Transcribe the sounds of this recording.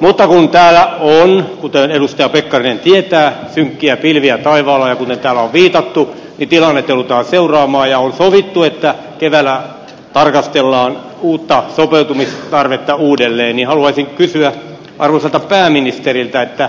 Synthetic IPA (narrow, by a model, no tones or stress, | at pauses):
mut̪ːɑkunt̪æːlæonkut̪enedust̪ɑjɑpekːɑrinent̪iet̪æːsyŋkːiæpilʋiæt̪ɑiʋɑːlːɑjɑkut̪ent̪æːlːæoʋʋiːt̪ɑt̪ːu | nit̪ilɑnːet̪ːelut̪ɑːnseurɑːmɑːjjɑonsoʋit̪ːuet̪ːæ | keʋælːˑæ | t̪ɑrkɑst̪elːɑːn | uːt̪ːɑsopeut̪umist̪ɑrʋet̪ːɑuːdelːeːnnihɑluɑisiŋkysyæ | ʔɑrʋoselt̪ɑpæːminist̪erilt̪æet̪ːæ